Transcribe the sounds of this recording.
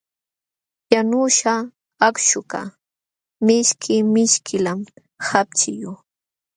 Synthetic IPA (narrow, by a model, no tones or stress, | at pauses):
janʊʃa | akʃʊka̰ | mɪʃkʰɪmɪʃkʰɪlam | hap̚t͡ʃɪjʊ